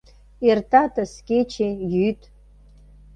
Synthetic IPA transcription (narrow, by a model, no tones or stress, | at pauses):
irtʰʼatʰʼaskʲʼet͡ʃʰejytʼ